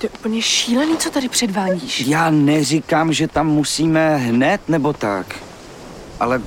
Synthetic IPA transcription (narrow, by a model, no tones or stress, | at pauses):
t̪ojɛʔupl̩ɲɛʃiːlɛniːt͡sot̪aɾɪpr̝̥ɛdvaːɟiːʃjaːnɛr̝ɪkamʒɛt̪amːusiːmɛɦnɛt̪nɛbo̞t̪a̰k | ʔa̰lɛ